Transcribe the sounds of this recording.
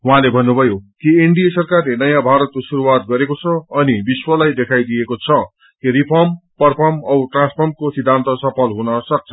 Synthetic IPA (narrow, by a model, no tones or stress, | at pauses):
ɦuɦãlebʱʌnːubʱʌjokiiɳɖijesʌrkarlenʌjãbʱaɾʌt̪̚kosuɾuwat̪̚ɡʌɾekot͡sʰʌʌnibiswʌlajd̪ekʰajd̪ijekot͡sʰʌ | kiripʰʌrmpʌrpʰʌrmʌwʈrãnspʰʌrmkosid̪ʱːãnt̪ʌsʌpʰʌlɦunʌsʌk̚t͡sʰʌ